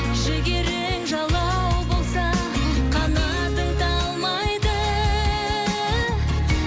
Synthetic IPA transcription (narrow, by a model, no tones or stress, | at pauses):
ʒɪɡʲeɾeŋʒɑlˠɑ | wbo̞lˠsɑ | qʰɑnɑ | d̪əŋt̪ʰɑlˠmɑjd̪ə